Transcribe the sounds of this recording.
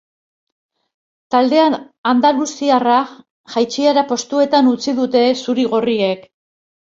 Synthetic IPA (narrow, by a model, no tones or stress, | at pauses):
t̪ald̪e̞an | and̪alusiara | ʝajt͡ʃiaɾapo̞st̪ue̞t̪anut͡siðut̪e̞suɾiɣ̞o̞rie̞k